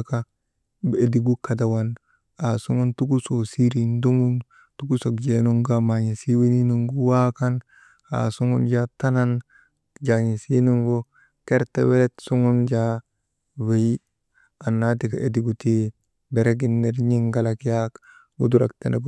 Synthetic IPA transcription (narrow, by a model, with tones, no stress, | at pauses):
ka | e˨di˨ɡu˦ka˨da˨wan | a˨su˦ŋu˦ntu˦ku˦so˨si˦ɾi˨ndo˦mu˦n | tu˦ku˦so˨kd͡ʒe˨nu˦ŋɡamaɲi˨si˦we˦ni˦nu˦ŋɡuwa˦ka˦n | a̰˨su˦ŋu˦nd͡ʒata˦na˦n | d͡ʒa˨ɲi˨si˦nu˦ŋɡo˦ | ke˦ɾtewe˦le˦tsu˦ŋu˦nd͡ʒa | we˦j | a˨nːa˦ti˨ka˨ʔe˨di˨ɡu˨ti˦ | be˨ɾe˦ɡ̬i˦nːeɾɲi˦ŋɡa˨lakjak | ɡṵdu˦ɾaktḛne˨ɡ